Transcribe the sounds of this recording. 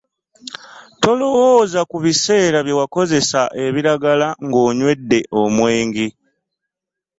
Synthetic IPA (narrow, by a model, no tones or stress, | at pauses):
to̞lo̞wozakuβise̞ːɾaβje̞wako̞ze̞saʔe̞βiɾaɡalaŋɡo̞ːɲwe̞dːe̞ʔo̞mwe̞ːŋɡi